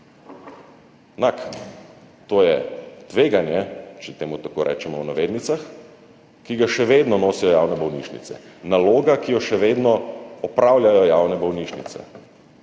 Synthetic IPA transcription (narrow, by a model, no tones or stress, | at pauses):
nak | t̪oːjɛt̪ʋeːɡanjɛt͡ʃɛt̪eːmut̪akoɾʔɛ̰ːt͡ʃɛmɔwnaʋeːd̪nit̪sax | kiɡaʃɛʋeːd̪nɔnoːsijɔjaːwnɛbɔwnḭːʃnḭt̪sɛ̰naloːɡakijɔʃɛʋeːd̪nɔɔpɾaːwljajɔjaːwnɛbɔwniʃnit̪sɛ̰